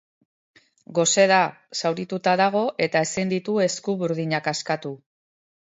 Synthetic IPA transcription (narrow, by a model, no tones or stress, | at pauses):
ɡo̞se̞ða | sawɾit̪ut̪aðaɣ̞o̞ʔe̞t̪ae̞sind̪it̪ue̞skuβuɾð̞iɲakaskat̪u